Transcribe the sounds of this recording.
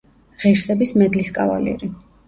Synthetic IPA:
ʁiɾsɛbismɛd̪liskʼava̰lḭɾi

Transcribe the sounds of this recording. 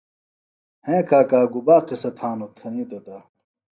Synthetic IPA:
hẽkaːkaːɡubaːqisɐt̪ʰaːnot̪ʰɐniːt̪ot̪a

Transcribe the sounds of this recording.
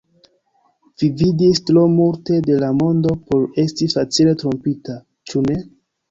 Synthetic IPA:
vividistɾo̞multe̞de̞lamo̞ndo̞po̞ɾe̞stifat͡sile̞tɾo̞mpita | t͡ʃune̞

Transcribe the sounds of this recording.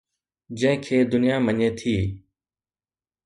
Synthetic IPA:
d͡ʒə̃ɦɪ̃kʰeːd̪ʊnɪjaːməɲeːt̪ʰiː

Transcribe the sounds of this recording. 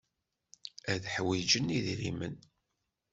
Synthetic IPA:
æðħwid͡ʒəniðɾimə̰n

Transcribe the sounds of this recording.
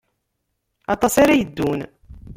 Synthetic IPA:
ɑt̪ˤɑsaɾajəd̪ːun

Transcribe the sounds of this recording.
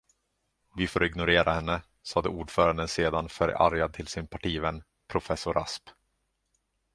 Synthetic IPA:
vɪfoɾɪɡnʊɾeːɾahɛnːə | sɑːd̪əuːɖfœːɾand̪ənseːd̪anfœɾa̰ɾjad̪̚t̪ʰɪlsɪnpʰaʈiːvən | pʰɾʊfɛsʊɾʔa̰sp

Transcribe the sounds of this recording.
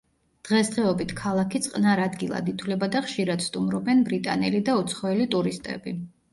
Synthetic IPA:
d̪̥ʁɛsd̪ʁɛɔbit̪ʰkʰalˠakʰit̪sʼqʼnaɾad̪ɡilˠa̰d̪it̪ʰwvlɛbad̪aχʃiɾad̪̥st̪ʼumɾɔbɛnbɾit̪ʼa̰nɛlid̪aut̪sʰχɔɛlit̪ʼuɾist̪ʼɛ̰bi

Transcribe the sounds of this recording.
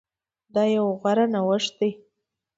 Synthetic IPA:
d̪ɑjawɣaɾanawəʂd̪e

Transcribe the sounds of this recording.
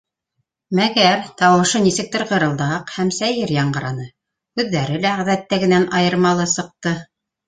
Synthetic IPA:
mæɡæɾt̪ɑwɤ̆ʃɤnisɘ̆k̚t̪ɘɾʁɤ̆ɾɤ̆lˠd̪ɑɑqhæmsæjɘɾjɑɴɢɤ̆ɾɑnɤ | kʉðːæɾɘlæʁæðæt̪ːæɡɘ̆nænʔɑjɤ̆ɾmɑlˠɤsɤ̆q̚t̪ɤ

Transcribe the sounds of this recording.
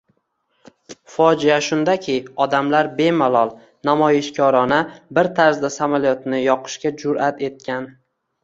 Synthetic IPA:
fɒd͡ʒɪjaʃʊnd̪akʲʰɪɒd̪amlaɾbe̞malˠɒlˠ | namɒjɪʃkʲʰɒɾɒnabɪɾt̪ʰaɾzd̪asamalijɒt̪nɪjɒqʰɨ̥ʃkʲad͡ʒʊɾat̪ʰe̞t̪̚kʲʰan

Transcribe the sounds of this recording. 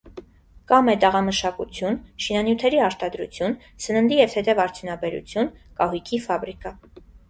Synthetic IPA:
kɑmɛt̪əʁɑməʃɑkut͡sʰjunʃinɑnjut̪ʰɛɾiɑɾt̪ɑd̪ɾṵt͡sʰjun | sənənd̪ijɛvhɛt̪ɛvɑɾt͡sʰjunɑbɛɾṵt͡sʰjunkɑɦujkʰifɑbɾikɑ

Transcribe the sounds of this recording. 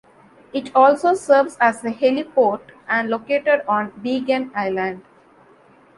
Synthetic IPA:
ɪʈʰɔːlsoːsəɾʋzæzəhelipoːɾʈæ̃ɳɖlokeːʈəɖɔ̃ːnbiːɡə̃naɪlə̃ɳɖ

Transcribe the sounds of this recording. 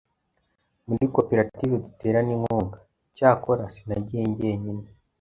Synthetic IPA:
muɾikopeɾativedite̞ːɾanimhoːŋɡa | caːko̞ɾasinaɟeːɲɟeɲine

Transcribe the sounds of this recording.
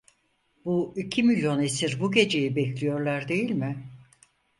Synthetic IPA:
buicʰimilʲjo̞nesiɾbuɟe̞d͡ʒe̞jibɛclʲijo̞ɾlˠaɾd̪e̞jilʲmɪ

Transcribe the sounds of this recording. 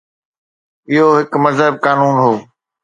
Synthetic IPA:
ɪɦoɦɪkmɐzɦəb̚kaːnuːnɦoː

